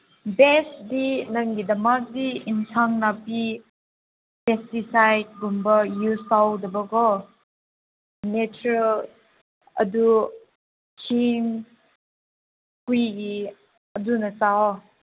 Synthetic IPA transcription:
bɛsdinaŋɡidɐmak̚diinsʰaŋnapi | pɛstisajd̚ɡumbɐjusawdɐbɐɡɔ | nɛt͡ʃuɾəl | ɐ̰du | kʰiŋ | kujɡi | ədunɐt͡sa

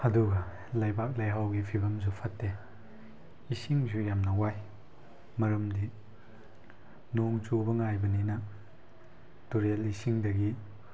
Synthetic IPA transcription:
hɐduɡɐ | lɐjbak̚lɐjɦawɡipʰibɐmsupʰɐtːe | isiŋzujamnɐwaj | mɐɾɐmdi | noŋt͡ʃubɐŋajbɐninɐ | tuɾelisiŋdɐɡi

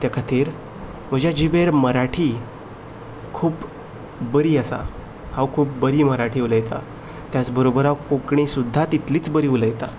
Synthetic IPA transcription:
t̪jakʰat̪ʰiːɾ | m̤əd͡ʑjad͡ʑiʋeɾməɾaʈʰiː | kʰuːp | bəɾiːəsa̰ | haʋkʰuːp̚bəɾiːməɾaʈʰiːuləjt̪a̰ | t̪jat͡sbəɾobəɾaʋkokɳ̃isud̪ʱːat̪it̪liːt͡sbəɾiːuləjt̪a

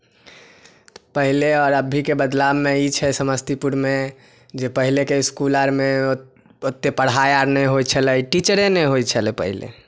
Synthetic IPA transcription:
pəɦileɔːɾəbʱːikebəd̪lamːeit͡ʃʰɛsəməst̪ipuɽme | d͡ʒepəɦilekeiskuləɾme | ot̪ːepəɽ̤ajaɾnɛɦojt͡ʃʰəlɛʈit͡ʃəɾeneɦojt͡ʃʰəlɛpəɦilḛ

